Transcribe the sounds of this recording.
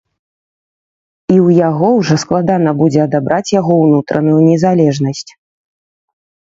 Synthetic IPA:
iwjaɣɔwʐɔsklˠad̪anɐbud͡zʲɛɐd̪abɾʔat͡sʲjaɣɔwnut̪ɾɐ̰nujunʲɛzalʲɛʐnɐsʲt͡sʲ

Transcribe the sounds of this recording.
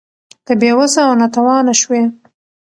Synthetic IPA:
kəbewazaːwnat̪awɑnaʃwe

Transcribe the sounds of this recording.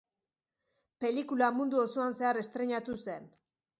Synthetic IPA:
pe̞likulamund̪uosoanse̞are̞st̪ɾe̞ɲat̪use̞n

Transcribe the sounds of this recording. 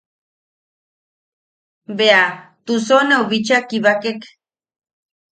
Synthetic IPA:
beat̪usonewβit͡ʃakiβakek

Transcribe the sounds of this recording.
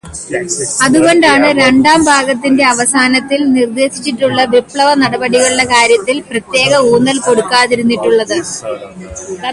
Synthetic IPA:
ɐðuɣo̞nɖaːɳɨɾe̞ɳɖaːmbʱaːɡɐt̪ːinde̞ɐʋɐsaːnɐt̪ːilnird̪e̞ːɕi̥t͡ɕːiʈːuɭːɐʋipɭɐʋɐnɐɽɐbɐɽiɣɐɭuɭːɐkaːɾjɐt̪ːilprɐt̪je̞ːɣɐuːnːɐlko̞ɽukːaːðiɾunːiʈːuɭːɐðɨ

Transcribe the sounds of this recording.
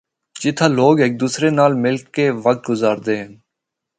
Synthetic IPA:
t͡ʃɪt̪ʰaːloːɡeːk̚d̪uːsɾeːnaːlmɪlkːeːʋək̚t̪̚ɡʊzaːɾd̪eːɦən

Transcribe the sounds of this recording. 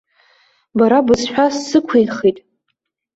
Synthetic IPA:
baɾabɨsħʷᶣasːɨkʷʰejχitʼ

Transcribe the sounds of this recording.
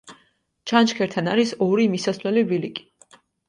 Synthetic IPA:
t͡ʃʰant͡ʃkʰɛɾt̪ʰanaɾisɔɾimisaslɛlivilikʼi̥

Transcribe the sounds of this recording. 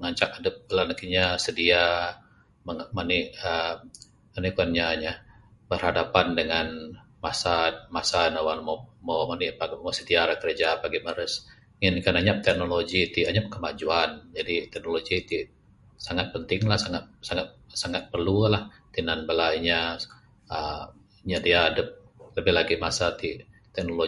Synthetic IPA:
əŋaɲt͡ʃaʔadəp̚bəlanakiɲasədia | məmaniə | manikuanɲaɲa | bərhadapandəŋan | masamasanawalmomomanipamosədialakəɾed͡ʒapaɡiməɾəs | ŋɪnkanaɲap̚t̪ɛk̚noloɡit̪iaɲap̚kəmad͡ʒuand͡ʒadit̪ɛk̚noloɡit̪i | saŋat̪̚pənt̪ɪŋlahsaŋat̪̚saŋat̪̚saŋat̪̚pərlulah | t̪inanbəlaiɲa | ə | iɲadiaːdəp̚ | ləbɪhlaɡimasat̪i | t̪ɛk̚nolo

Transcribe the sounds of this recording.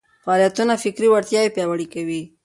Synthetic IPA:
fɑɾjat̪unafɪkɾiwaɾt̪jɑepjɑwaɽikawi

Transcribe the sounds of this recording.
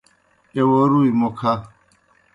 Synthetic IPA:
ewoɾuimokʰa

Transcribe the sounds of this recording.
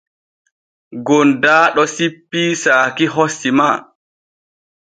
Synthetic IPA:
ɡondaːɗɔsipːiːsaːkiɦosːimaː

